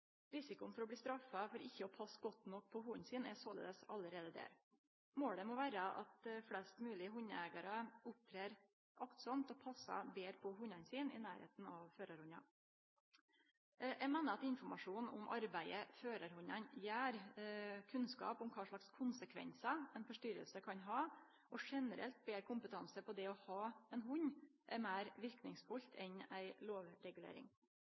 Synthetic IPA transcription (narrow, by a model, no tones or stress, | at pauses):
ɾɪsɪkʊnfɔɾɔbliːst̪ɾɑfːɑfɔɾɪçːəɔpʰɑsːɡɔt̪nɔk̚ːpʰɔhʊɲnsiːnɛsoːlḛːd̪əsɑləɾeːd̪əd̪ḛːɾ | moːɽɖ̪ɛmɔʋæːɾəʔɑ̰t̪̚flɛst̪mʉːlɪəɦʊɲɛɡɑɾəʊp̚kʰɾeːɾ | ʔɑkt̪sɑmt̪ɔpʰɑsːɑ̰beːɾpʰɔɦʊɲɑnsiːnɪ̰næːɾhḛːt̪n̩ɑʋføːɾɑɾhʊɲɑ̰ | jʔæmeːnəɾɑt̪ɪnfɔɾmɑʂuːnɔ̰mʔɑ̰ɾbæɪəføːɾəɾhʊɲɑnjæːɾkʰʉnskɑ̰ːpʊmkʰɑːʂɭɑkskʰʊnsəkʰʋɛ̰nsɑɛnfɔʂʈʏɾə̰lsəkʰɑnɦɑː | ʔɔʂɛnəɾʔɛ̰lt̪̚beːɾkʰʊmpət̪ʰɑnsəpʰɔd̪ɛɔhɑːɛnɦʊɲʔɛmæːɾʋɪɾknɪŋsfʊlt̪ʰɛnæɪloːʋɾɛɡʉlḛːɾɪ̰ŋ